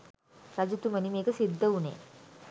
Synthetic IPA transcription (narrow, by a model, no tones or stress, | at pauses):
ɾad͡ʒut̪umɐnimeːɡɐsid̪ʱːɐunḛ